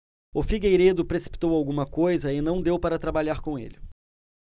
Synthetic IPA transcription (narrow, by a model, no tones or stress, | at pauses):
ʊfiɡejɾed̪ʊpɾesi̥pi̥t̪owawɡũmɐkojzɐɪnɐ̃w̃d̪ewpaɾɐt̪ɾabaʎaɾkõḛlɪ